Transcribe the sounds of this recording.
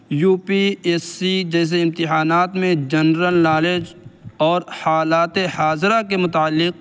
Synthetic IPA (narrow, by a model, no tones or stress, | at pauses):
juːpieːsid͡ʒɛːs̬eɪ̃mt̪ɪɦaːnaːt̪mẽd͡ʒɐnɾəlnaːled͡ʒɔːɾhaːlaːt̪ehaːzɾakemʊt̪aːəlːɪq̚